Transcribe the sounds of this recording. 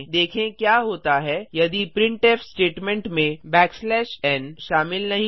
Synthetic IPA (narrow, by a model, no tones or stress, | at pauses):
d̪eːkʰẽkjaːɦoːt̪aɦɛjɐd̪ipɾɪ̃ɳʈeːfsʈeːʈmɛ̃ɳʈmẽbɛːkslɛːʃɛːnʃaːmɪlnɐɦĩ